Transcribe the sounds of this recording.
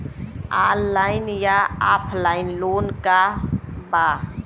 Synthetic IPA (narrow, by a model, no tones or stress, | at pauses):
aːllaːɪnjaaːpʰlaːɪnloːnkaba